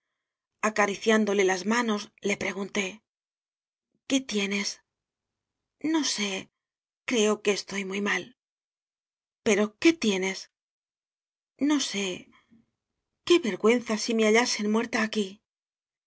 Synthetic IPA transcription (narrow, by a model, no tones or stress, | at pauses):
akaɾiθjand̪o̞le̞lazmano̞sle̞pɾe̞ɣunt̪e̞ | ke̞t̪je̞ne̞s | no̞se̞ | kɾe̞o̞ke̞ːst̪o̞jmujmal | pe̞ɾo̞ke̞t̪je̞ne̞s | no̞se̞ | ke̞βe̞ɾɣwe̞n̟θasime̞aʎase̞nmwe̞ɾt̪aːki